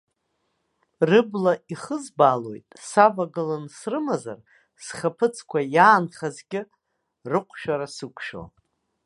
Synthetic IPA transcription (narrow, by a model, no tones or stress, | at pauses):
rɨblaiχəzbaːlo̞jtʼsabaɡɨlansrɨmaza̰r | sχapʰɨt͡sʰkʷʰajaːnχazɡʲɪ | rɨqʷʰʼʃᶣaɾasɨkʷʰʃo̰